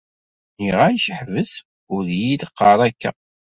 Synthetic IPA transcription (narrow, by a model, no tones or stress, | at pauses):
niʁæjʃəħvəs | ʊɾðjid̪əqːɑɾˤækːæ̰